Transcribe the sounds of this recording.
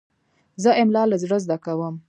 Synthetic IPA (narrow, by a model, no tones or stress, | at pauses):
zəʔɪmlɑlazɽəzd̪akawəm